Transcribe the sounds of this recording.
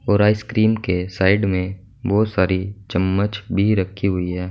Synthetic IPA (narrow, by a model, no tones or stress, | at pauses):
ɔːɾaːɪskɾiːmkesaːɪɖmẽ | bɔːt̪saːɾit͡ʃɐmːət͡ʃbʱiɾɐkʰːiɦʊiɦɛː